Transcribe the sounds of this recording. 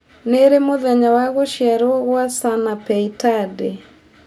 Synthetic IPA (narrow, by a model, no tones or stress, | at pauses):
neɾemoðɛɲawaɣoʃjaɾoɣwasanapɛitade